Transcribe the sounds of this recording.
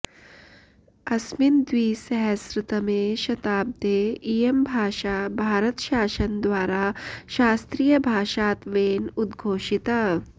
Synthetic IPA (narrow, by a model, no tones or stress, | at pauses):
ɐsmind̪ʋiːsɐɦɐsɾɪt̪ɐmeːʃɐt̪aːb̚t̪eijembʱaːʃabʱaːɾət̪ʃaːʃɐnd̪ʋaːɾaːʃaːst̪ɾiːjɐbʱaːʃaːt̪ʋeːnud̪ɡʱoːʃit̪aː